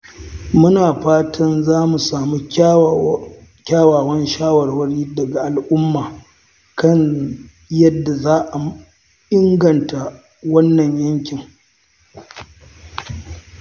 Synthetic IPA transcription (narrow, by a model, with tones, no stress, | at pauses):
mʊ˦naː˨ɸaː˦tʰɐ˦nzaː˦mu˨saː˨mu˦ | kʲaː˦waː˨wɐ˦nʃaː˦wɐ˨rwɐ˦ɽiː˦dɐ˨ɡa˨ʔa˨lʔʊ˦mːaː˨ | kɐ˦ɲ | jɐ˦dːa˨zaː˦ʔa˨ | ʔɪ˦ŋɡɐ˨nta˨ | wɐ˦nːɐ˨ɲjɐ˦ŋkʲɪ˨ŋ